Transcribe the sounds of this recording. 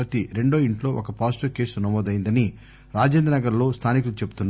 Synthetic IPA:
ɐt̪iɾe̞ɳɖo̞ːiɳʈlo̞ːʔɔkɐpaːsʈɐɾke̞ːsunɐmɔːd̪ɐjind̪ɐni | ɾaːd͡ʒeːnd̪ɐnɐɡɐɾlo̞ːst̪ʰaːnikulut͡ʃe̞bu̥t̪unː

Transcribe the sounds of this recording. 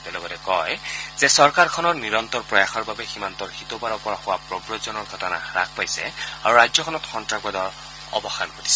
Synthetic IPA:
tɛlɔɡɔtɛkɔjz̥ɛsɔɹkaɹkʰɔnɔɹniɹɔnt̪ɔɹpɹɔjaxɔɹbabɛximantɔɹxitɔpaɹɔpɔɹaxʊwapɹɔbɹɔzɔnɔɹɡʱɔtɔna̰ɹa̰k̚ʰpajsɛ̰a̰ɹuɹajzɔkʰɔnɔtxɔntɹapɔdɔɹ | ɔ̰bɔxankoɹisɛ

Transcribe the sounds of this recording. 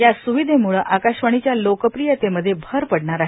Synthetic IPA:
jasuʋid̪ʱemuɭəʔakaɕʋəɽ̃it͡ɕjalokəpɾijət̪eməd̪ʱːjebʱəɾpəɽɳaɾaɦ

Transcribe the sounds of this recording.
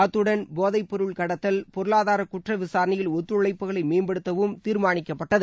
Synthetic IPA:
t̪ːɯɽɐnboːðɐɪpːɔɾɯɭkɐɽɐt̪ːɐlpɔɾɯɭaːðaːɾɐkʊʈrɐʋɪsaːɾɐnɪjɪlʊt̪ːɾɯɭɐɪpːɯɣɐɭɐɪmeːnbɛɽɯt̪ːɐʋɯmt̪iːɾmaːɳɪkːɐpːɐʈːɐðɯ

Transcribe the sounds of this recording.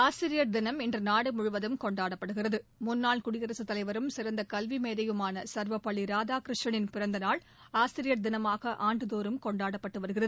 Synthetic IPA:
aːsɪɾɪjɐɾd̪ɪnɐmɛndrɐnaːɽɛmʊɻʊʋɐðɯmkɔɳɖaːɽɐpːɐɽɯɣɪrɐðɯmʊnːaːɭkʊɽɪɣɐɾɐsɯt̪ːɐlɐɪʋɐɾɯmsɪɾɐnd̪ɐkɐlʋimeːðɐjɯmaːnɐsɐɾʋɐpːɐɭːiɾaːðaːkɾɪʂʈɐɳɪnpɪɾɐnd̪ɐnaːɭ | aːsɪɾɪjɐɾd̪ɪnɐmaːɣɐʔaːɳɖɯðoːɾɯmkɔɳɖaːɽɐpːɐʈːɯʋɐɾɯɣɪrɐðɯ

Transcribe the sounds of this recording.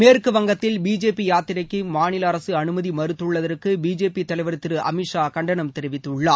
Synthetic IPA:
meːrkɯʋɐŋɡɐt̪ːɪlbiːd͡ʒeːpːijaːt̪ːɪɾɐkːɯmaːnɪlɐɐɾɐsɯɐnɯmɐðimɐɾɯt̪ːɯɭːɐðɐrkɯbiːd͡ʒeːpːit̪ɐlɐɪʋɐɾɯt̪ːɪɾɯʔɐ̰mɪʂaːkɐɳɖɐɳɐmt̪ɛɾɪʋɪt̪ːɯɭːɐ

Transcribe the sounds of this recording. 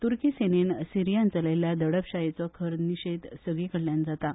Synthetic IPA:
t̪uɾkiːsenensiɾijãnt͡səleljad̪əɽəpɕajet͡sɔkʰəɾniɕed̪səɡɭekəɽljand͡zat̪a

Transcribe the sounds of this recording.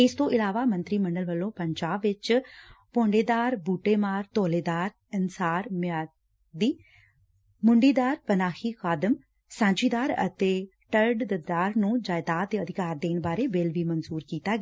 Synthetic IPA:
ɪst̪õːʔɪlaːʋaːmə̃nt̪ɾiːməɳɖəlʋəlːõːpəɲd͡ʒaːbːɪt͡ʃpõːɳɖeːd̪aːɾbuːʈeːmaːɾt̪oːleːd̪aːɾ | ɪnsaːɾmaː | d̪iː | mʊɳɖiːd̪aːɾpənaːxʰiːxaːd̪əm | sãːɲd͡ʒiːd̪aːɾə̰t̪eː | ʈəɾɖd̪əd̪aːɾnũːd͡ʒaːɪd̪aːt̪̚d̪eːəd̪ɪkaːɾd̪eːnbaːɾeːbelʋiːmənzuːɾkiːt̪aːɡ

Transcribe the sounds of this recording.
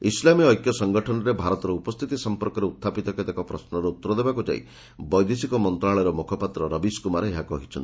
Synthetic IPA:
islamiɔjkjɔsɔŋɡɔʈʰɔnɔɾebʱaɾɔt̪ɔɾɔupɔst̪ʰit̪isɔmpɔɾkɔɾeut̪ʰːapit̪ɔkad̪ekɔpɾɔsnɔɾɔut̪ːɔɾɔd̪ebakud͡ʒa̰ḭ | bɔjd̪isikɔmɔnt̪ɾaɭɔɾɔmukʰɔpat̪ɾɔɾɔbiskumaɾeeɦakɔɦit͡ʃʰɔnt̪i

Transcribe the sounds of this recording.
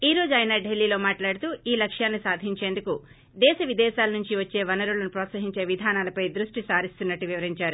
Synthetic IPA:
iːɾo̞ːd͡ʒuaːjnɐɖelːiːlo̞ːmaːʈlaːɽut̪uːiːlɐkʂjaːnːisaːd̪ʱiɲt͡ʃe̞ːnd̪uku | d̪ɛːʃɐʋid̪ɛːʃaːlɐnuɲt͡ʃiʋɐt͡ʃːe̞ːʋɐnɐɾulɐnupɾɔːt̪sɐɦiɲt͡ʃe̞ːʋid̪ʱaːnaːlɐpɐjd̪ɾuʂʈisaːɾist̪unːɐʈːiʋiʋɐɾiɲt͡ʃaːɾu

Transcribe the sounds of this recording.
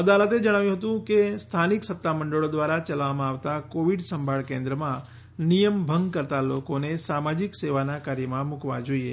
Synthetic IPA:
əd̪alət̪ed͡ʒəɽ̃aʋjũɦət̪ũkest̪ʰaniksət̪ːaməɳɖəɭod̪ʋaɾat͡ʃəlʋamãaʋt̪akoʋiɖsəmbʱaɭkẽnd̪ɾəmã | nijəmbʱəŋɡkəɾt̪alokonesamad͡ʒikseʋanakaɾjəmãmukʋa̰d͡ʒoiḛ

